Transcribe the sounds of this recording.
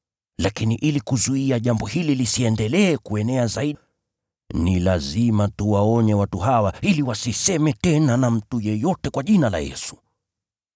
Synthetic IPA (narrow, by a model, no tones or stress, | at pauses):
lakiniʔilikuzuiaʄambɔhililisiɛndɛlɛːkuɛnɛazaiɗ | nilazimatuwaɔɲɛwatuɦawailiwasisɛmɛtɛnanam̩tujɛjɔtɛkwaʄinala̰jɛ̰su̥